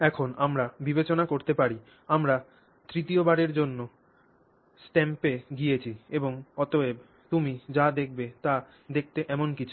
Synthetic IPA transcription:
ɛkʰonamɾabibet͡ɕonakoɾt̪epaɾi | amɾa | t̪ɾit̪iobaɽeɾd͡ʑonːo | sʈɛmpeɡijet͡ɕʰieboŋɔt̪oeb | t̪umid͡ʑad̪ek̚ʰbet̪a | d̪ek̚ʰt̪eʔɛmonkit͡ɕʰu̥

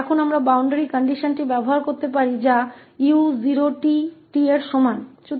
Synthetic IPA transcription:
ɛkʰunamɾabawɳɖeɾikɔɳɖiʃonʈibɛboɦaɾkoɾt̪epaɾid͡ʑa | iuziɾoʈiʈieɾʃɔmant͡ɕu

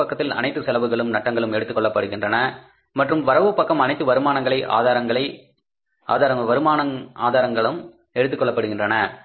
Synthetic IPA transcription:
ɐkːɐt̪ːɪlɐ̰nɐɪt̪ːɯsɛlɐʋɯɣɐɭɯmnɐʈːɐŋɡɐɭɯmɛɽɯt̪ːɯkːɔɭːɐpːɐɽɯɣɪndrɐnɐ | mɐʈrɯmʋɐɾɐʋɯpːɐkːɐmɐnɐɪt̪ːɯʋɐɾɯmaːnɐŋɡɐɭɐɪʔa̰ːðaːɾɐŋɡɐɭɐɪ | ʔa̰ːðaːɾɐŋɡɐʋɐɾɯmaːnɐŋa̰ːðaːɾɐŋɡɐɭɯm | ɛɽɯt̪ːɯkːɔɭːɐpːɐɽɯɣɪndrɐnɐ

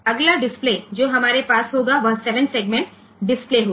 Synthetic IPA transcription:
əɡlaɖɪspled͡ʑoɦəmaɾepasɦoɡaʋəselə̃nʈseɡmeɳʈ | ɖispleɦo

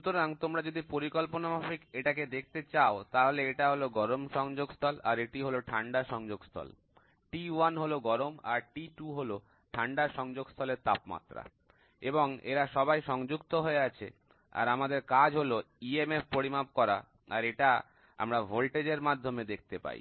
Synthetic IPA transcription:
ʃut̪oɾaŋt̪omɾad͡ʑod̪ipoɾikolponamafikeʈak̬ed̪ek̚ʰt̪et͡ɕaot̪aɦoleeʈaɦoloɡɔɾomʃɔŋd͡ʑoɡst̪ʰɔla̰ɾeʈiɦoloʈʰaɳɖaʃɔŋd͡ʑoɡst̪ʰɔ̰l | ʈiwanɦoloɡɔɾoma̰ɾʈiʈuɦolo | ʈʰaɳɖaʃɔŋd͡ʑoɡst̪ʰɔleɾt̪apma̰t̪ɾa̰ | eboŋḛɾaʃɔbajʃɔŋd͡ʑukt̪oɦoeat͡ɕʰḛ | a̰ɾamad̪eɾkad͡ʑʱɦolo | iemeppoɾimap̚kɔɾa̰ | aɾeʈa | a̰mɾabʱolʈed͡ʑeɾmad̪ʱːomed̪ek̚ʰt̪epa̰ḭ

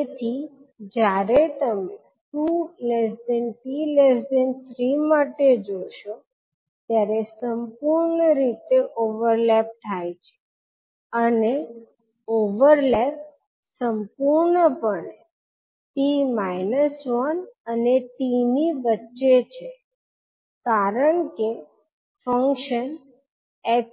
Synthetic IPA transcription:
et̪ʰi | d͡ʒjaɾet̪əme | ʈulesɖɛnpiles̬ɖent̪ʰɾimaʈed͡ʒoʃo | t̪jaɾesəmpuɾɳəɾit̪eʔoʋəɾlɛp̚t̪ʰajt͡ʃʰe̥ | əne | oʋəɾlɛp̚ | səmpuɾɳəpəɳ | ʈimajnəsʋɔnəneʈiniʋətːʃet͡ʃʰe | kaɾəɳke | fəŋkʃən | ɛ

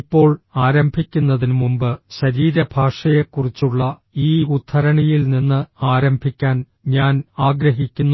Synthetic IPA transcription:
pːo̞ːɭaːɾɐmbʱikʲːunːɐðinmumbɨɕɐɾiːɾɐbʱaːʂɐjekurit͡ɕːuɭːɐ | iːut̪ʰːɐɾɐɳijilninːɨaːɾɐmbʱikʲːaːn | ɲaːnaːɡɾɐɦikʲːunː

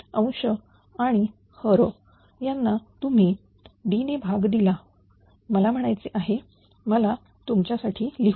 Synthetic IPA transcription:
ə̃w̃ɕə | aɽ̃i | həɾo | janːat̪um̤i | ɖinebʱaɡd̪ila | məlam̤əɽ̃ajt͡seʔaɦe | məla | t̪umt͡ɕjasaʈʰiːliɦ

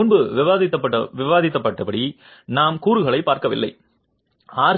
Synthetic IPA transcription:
ʊnbɯʋɪʋaːðɪt̪ːɐpːɐɐʋɪʋaːðɪt̪ːɐpːɐʈːɐpɐɽi | naːmkuːɾɯɣɐɭɐɪpːaːɾkɐʋɪ̰lːɐ̰ɪ | aːɾ

